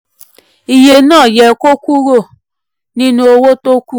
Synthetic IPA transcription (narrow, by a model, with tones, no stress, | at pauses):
i˨je˧nãː˦˨jɛ˨ko˦ku˦ɾo˦˨ | nĩ˦nũ˦o˧wo˦to˦ku˦